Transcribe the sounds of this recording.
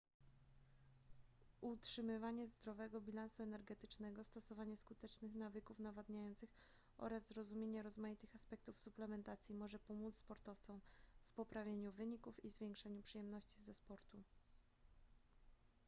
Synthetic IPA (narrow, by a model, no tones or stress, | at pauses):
ʔutʂɘmɘvaɲɛzd̪ɾɔvɛɡɔbʲilansuɛnɛɾɡɛt̪ɘ̥t͡ʂnɛɡɔst̪ɔsɔvaɲɛskut̪ɛt͡ʂnɘxnavɘkufnavad̪ɲajɔnt̪sɘx | ʔɔ̰ɾazzɾɔzumʲjeɲɛɾɔzmajit̪ɘxaspɛk̚t̪ufsuplɛmɛnt̪at̪sʲjimɔʐɛpɔmut̪spɔɾt̪ɔft̪sɔmfpɔpɾavʲjeɲuvɘɲikufizvʲjeŋkʂɛɲupʂɘjɛmnɔɕt͡ɕizɛspɔɾt̪u